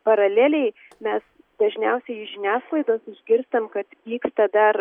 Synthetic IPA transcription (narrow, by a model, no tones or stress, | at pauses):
pɐɾɐlʲeːlʲɛɪ | mʲɛs | d̪ɐʒʲnʲɛʊsʲɛɪɪʒʲɪnʲæːsklˠɐɪd̪oːsɪʒʲɡʲɪɾst̪ɐmkɐt̪ʋʲiːkst̪ɐd̪ɐɾ